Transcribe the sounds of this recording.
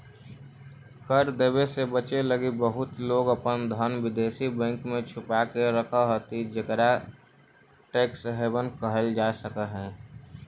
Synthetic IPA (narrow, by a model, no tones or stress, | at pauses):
kəɾd̪ebesebət͡ʃeləɡibəɦʊt̪loːɡəpənd̪ʱənʋɪd̪eːsibɛ̃ŋkmẽt͡ʃʰʊpakeɾəkʰəɦot̪id͡ʒəkɾa | ʈeːksɦeːbənkəɦəld͡ʒaːsəkəɦɛ̃ː